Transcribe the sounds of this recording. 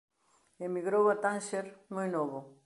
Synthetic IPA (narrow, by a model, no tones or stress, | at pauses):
emiɣɾowat̪ãnʃeɾmõjnoβʊ